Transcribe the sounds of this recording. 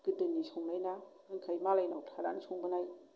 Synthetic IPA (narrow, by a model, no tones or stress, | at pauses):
kɯdɯnːisɔŋnajna | ɯŋkʰajmalajnawtʰaɾanisʰɔŋbɯnaj